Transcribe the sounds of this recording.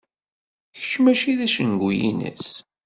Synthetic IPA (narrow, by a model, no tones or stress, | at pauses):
çə̥t͡ʃːmæʃiðæʃənɡʷujḭnə̰s